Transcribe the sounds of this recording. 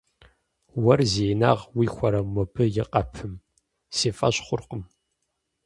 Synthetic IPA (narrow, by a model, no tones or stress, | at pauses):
wɐrzeːna̰ːʁwiːxʷɔɾɐmɔbɨjɪqʼɐpʰɨm | seːfʼɐɕχʷʊrqəm